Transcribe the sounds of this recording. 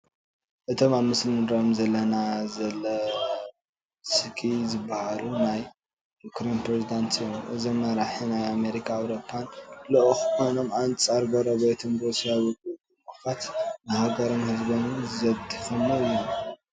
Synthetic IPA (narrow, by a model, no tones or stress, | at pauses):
ʔɨt̪ʰo̞maβmɨslɨɾomzɐlːɐnazɐlɐ | sɨkʰizɨbːahalʔunaj | kʰɾempɾezid̪ant̪ɨjomʔɨzomnaɾaħinajame̞ɾikʰaːwɾo̞pʰːanloʔxkʰonomant͡sʼaɾɡɐɾoβet̪ʰumɾusijawɨkʼuumɨxfat̪nɨhaɡɐɾo̞mhɨzbonuzɐβt̪ʰifɐmːoɨjːu